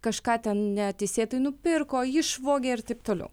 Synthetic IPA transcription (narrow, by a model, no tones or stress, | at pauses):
kɐʃkɑːt̪ʲɛnnʲɛt̪ʲɛɪsʲeːt̪ɐɪnʊpʲɪrkoːɪʃʋoːɡʲeːɪrt̪ɐɪp̚t̪oːlʲɛ̰ʊ